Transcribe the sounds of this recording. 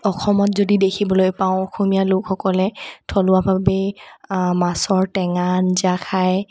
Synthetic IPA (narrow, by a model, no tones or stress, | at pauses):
ɔxʰɔmɔtzodidekʰibɔlojpãʊ̃ɔxomijalʊkxɔkɔlɛtʰɔlʊabʱabɛ | masɔɹtɛŋanzakʰaj